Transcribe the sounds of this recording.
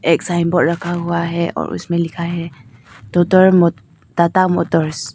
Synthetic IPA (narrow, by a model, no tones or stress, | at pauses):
ɛk̚saimbɔɾakʰaɦuaɦɛʔɔ̰ɹṵsmɛlikʰaɦɛt̪ɔt̪ɔɹmɔ | d̪at̪amɔt̪ɔɹs